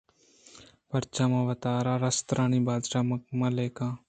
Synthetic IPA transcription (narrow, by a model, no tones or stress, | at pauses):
pɐɾt͡ʃaːmãːʋɐt̪aːɾaːɾɐst̪ɾʔaːnibaːd̪ʃaːmɐmãːleːkãː